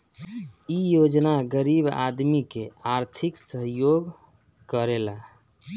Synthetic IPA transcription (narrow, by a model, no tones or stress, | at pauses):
ijod͡ʒnaɡəɾiba̰d̪mikeaɾt̪ʰiksəɦjoɡ | kəɾela